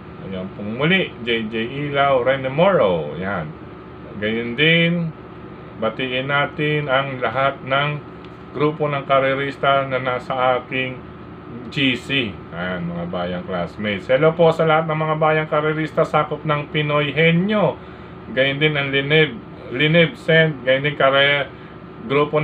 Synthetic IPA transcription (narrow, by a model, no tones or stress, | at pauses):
ʔɐjonpʊŋmʊlɪʔd͡ʒɛjd͡ʒɛjʔiːlawɾɛnɛmoɹowjan | ɡɐjʊnd̪ɪn | bɐt̪iʔɪnaːt̪ɪnɐŋlɐɦat̪̚nɐŋ | ɡɾuːpo̞nɐŋkɐɾɛɾist̪ɐnɐnasɐʔaːkɪŋ | d͡ʒisi | nmɐŋabaːjɐŋklasmɛjt̪sɛlopo̞ʔsɐlɐhat̪̚nɐŋmɐŋabaːjɐŋkɐɾɛɾist̪ɐsaːkop̚nɐŋpɪnojɦɛnjo̞ | ɡɐjʊnd̪ɪnɐŋlɪnɛb | lɪnɛb̚sɛnt̪̚ɡɐjʊnd̪ɪŋkɐɾɛ | ɡɾuːpo